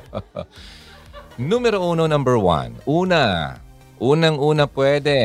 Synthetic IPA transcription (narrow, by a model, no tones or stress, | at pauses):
numɛɾoʔononɐ̃mbɛɹwɐ̰̃nuːna | ʔuːnɐŋuːnɐpwɛd̪ɛ